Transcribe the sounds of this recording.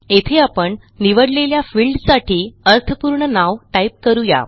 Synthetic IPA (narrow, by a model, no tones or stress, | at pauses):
et̪ʰeapəɳ | niʋəɽleljafiːlɖsaʈʰiːəɾt̪ʰəpuɾɳənaʋʈaip̚kəɾuja̰